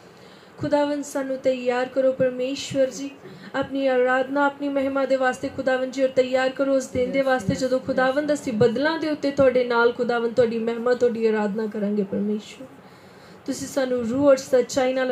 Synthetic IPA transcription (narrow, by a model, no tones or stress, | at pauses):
kʰʊd̪aːʋənd̪saːnũːt̪əjaːɾkəɾoːpəɾmeːʃʋəɾd͡ʒiːaːpniːaːɾaːd̪naːəːpniːməɦmãːd̪eːʋaːst̪eːkʰʊd̪aːʋənd̪d͡ʒiːɔːɾt̪əɪjaːɾkəɾoːəsd̪ẽːnd̪eːʋaːst̪eːd͡ʒəd̪õːkʰʊd̪aːʋənd̪əsĩːbəd̪lãːd̪eːʊt̪ːeːt̪ʊaːɖeːnaːlkʰʊd̪aːʋənd̪ʊaːɖiːmɛɦmãːt̪ʊaːɖiːaːɾaːd̪nãːkəɾãːŋɡeːpəɾmeːʃʋəɾ | t̪ʊsĩːsaːnũːɾuːəɖsət̪ːt͡ʃaːiːnaː